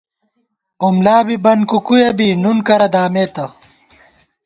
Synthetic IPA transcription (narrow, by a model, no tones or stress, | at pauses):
umlaːbibɐnkukujɐbinunkɐɾɐd̪aːmeːt̪ɐ